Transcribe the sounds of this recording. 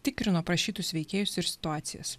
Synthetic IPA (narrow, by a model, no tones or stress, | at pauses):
t̪ʲɪkɾʲɪnoːpɾɐʃʲiːt̪ʊsʋʲɛɪkʲeːjʊsɪɾsʲɪ̥t̪ʊaːt̪sʲɪjɛ̰s